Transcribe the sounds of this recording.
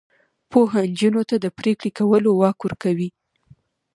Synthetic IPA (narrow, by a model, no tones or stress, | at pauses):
poɦand͡ʒunot̪ad̪əpɾekɽekawəlowɑkwʊɾkawi